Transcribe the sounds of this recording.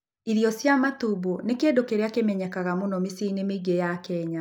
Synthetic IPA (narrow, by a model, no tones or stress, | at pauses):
iɾijɔsjamatubonekeːdokeɾeakemɛɲɛkaɣamonɔmisinemeɡejakɛɲa